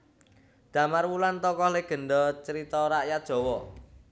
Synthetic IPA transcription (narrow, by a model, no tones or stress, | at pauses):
d̪̥ä̤marwulant̪ɔkɔhleɡ̥ə̤nɖɔt͡ʃəɾit̪ɔɾaʔjat̪̚ʒ̥ɔ̤wɔ